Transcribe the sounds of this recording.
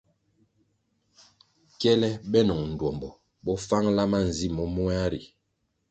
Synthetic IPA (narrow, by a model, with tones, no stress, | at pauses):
kɛ˦lɛ˦ɓɛ˦nɔ˨ŋn̩˨dɔ˨mbɔ˨ | bɔ˦fa˦ŋla˦ma˦˨n̩˨zi˦˨mɔ˦mu˦a˦ɾḭ˨